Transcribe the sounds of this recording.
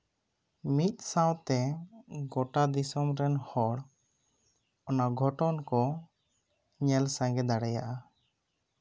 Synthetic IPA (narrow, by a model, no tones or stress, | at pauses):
mit̪̚ˀsãwt̪ɛɡɔʈad̪isɔmɾɛnhɔɽ | ɔnaɡʱɔʈɔnkɔ | ɲɛlsãŋɡɛd̪aɽɛja̰ʔa